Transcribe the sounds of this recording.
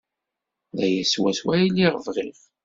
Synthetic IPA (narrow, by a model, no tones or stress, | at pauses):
ðæjæswæswæiliʁəvʁiʁ